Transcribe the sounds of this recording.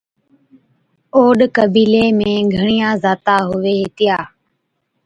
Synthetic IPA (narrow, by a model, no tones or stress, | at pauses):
oːɗkəbiːleːmẽːɡʱəɳijãːzaːt̪aːɦʊʋeːɦɪt̪ɪjaː